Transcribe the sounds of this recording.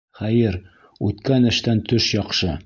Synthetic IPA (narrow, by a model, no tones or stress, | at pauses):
χæjɘɾ | ʉt̪kænɘ̆ʃt̪ænt̪ɵʃjɒqʃɤ